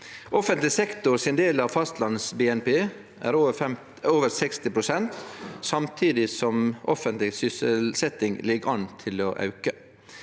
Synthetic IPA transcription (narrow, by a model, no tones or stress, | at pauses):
ʔɔfɛnt̪lɪsɛkt̪ʊɾsɪnd̪eːlɑːʋfɑst̪lɑnsbeːɛnpeː | ʔæ̰ɾɛm | oːʋəɾsɛkst̪ɪpʰɾʊsɛnt̪sɑmt̪ʰiːd̪ɪsɔmʔɔfənt̪lɪsʏsəlsɛt̪ɪŋlɪɡɑnt̪ʰɪlɔʔɑ̰ʉkə